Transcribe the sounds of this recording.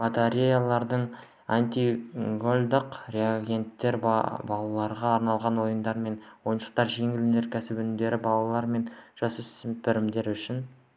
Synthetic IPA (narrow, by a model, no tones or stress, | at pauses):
mat̪aɾʲejalˠɑɾd̪əɴ | anʲt̪ʲiɡolʲd̪əqɾeaɡʲe̞nt̪ːe̞ɾ̰bɑlˠɑlˠɑɾʁɑːɾnɑlˠʁɑnwo̞jənd̪ɑɾme̞nwo̞jənʃə̥q̚t̪ɑɾʒe̞ŋɪlɵne̞ɾkʲʰæsɪbʏnɪmd̪e̞ɾɪbɑlˠɑlˠɑɾme̞nʒ̥ɑsʏsɪmpɪɾɪmd̪e̞ɾʏʃɪn